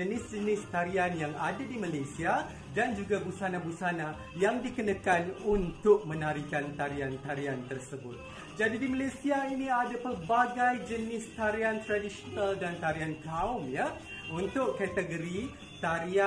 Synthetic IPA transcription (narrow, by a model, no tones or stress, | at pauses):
ənɪsd͡ʒənɪst̪aɾianjaŋa̰dadimalasia | dand͡ʒuɡabusanãbusanã | jaŋdikənãkanunt̪ʊk̚mə̃naɾikant̪aɾiant̪aɾiant̪ərsəbʊt̪̚ | d͡ʒadidimalajsiainĩadapərbaɡajd͡ʒənɪst̪aɾiant̪ɾadiʃonaldant̪aɾiant̪ɾaumja | unt̪ʊʔkat̪əɡəɾi | t̪aɾia